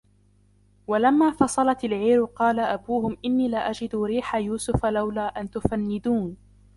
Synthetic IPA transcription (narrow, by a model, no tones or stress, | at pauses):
walamːaːfɑsˤɑlɑt̪alʕiːɾʊqɑːlaʔabuːhʊmʔɪnːiːlɪʔad͡ʒɪd̪ʊɾiːħajuːsʊfalawlaːʔant̪ʊfanːɪd̪uːn